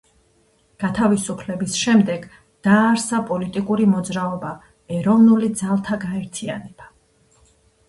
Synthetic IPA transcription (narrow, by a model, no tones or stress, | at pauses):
ɡ̥at̪ʰavisupʰlɛbisʃɛmd̪ɛɡ | d̪̥aːɾsapʼɔlit̪ʼikʼuɾimɔd̪zɾaɔba | ɛɾɔvnulid̪zalˠt̪ʰaɡaɛɾt̪ʰianɛb̥a